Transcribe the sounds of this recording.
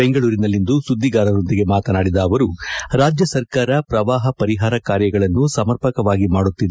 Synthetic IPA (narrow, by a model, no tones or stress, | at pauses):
beŋɡɐɭuːɾinɐlːind̪usud̪ʱːiɡaːɾɐɾo̞nd̪iɡe̞maːt̪ɐnaːɽid̪ɐːʋɐɾuɾaːd͡ʒjɐsɐɾkaːɾɐpɾɐʋaːɦɐpɐɾiɦaːɾɐkaːɾjɐɡɐɭɐnːusɐmɐɾpɐkɐʋaːɡimaːɽut̪ːid̪e